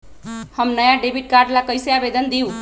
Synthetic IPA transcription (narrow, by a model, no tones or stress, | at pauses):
həmnəjaɖebʱiʈ̚kaɾɖlakəjseabed̪ənd̪iũ